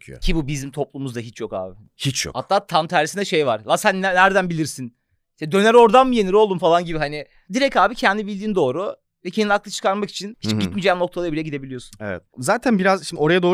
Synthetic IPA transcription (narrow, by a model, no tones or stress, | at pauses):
cʰibubizimt̪ʰo̞plˠumuzd̪aɦit͡ʃjo̞ka̰ːbɪ | hit͡ʃjo̰kha̰t̪ːaːt̪ʰamt̪ʰæɾisind̪ɛʃe̞jvaɾ̥lˠasænːnːæɾd̪ænbilʲiɾsin | iʃt̪ɛd̪ø̞næɾo̞ɾd̪anmɯje̞niɾo̞lˠd̪umfalˠanɟibiɦanɪ | d̪iɾɛcaːbicʰɛnd̪ibilʲd̪iːnd̪o̞ːɾu | vɛcʰeniaklˠɯt͡ʃʰɯ̥kʰaɾmaki̥t͡ʃʰinhit͡ʃɟit̪mid͡ʒɛːno̞k̚t̪ʰalˠaɾbiɾejɛɟid̪e̞bilʲijo̞sunḛvɛ̰t̪̚zaːt̪ʰænbiɾazʃimd̪io̞ɾajad̪oː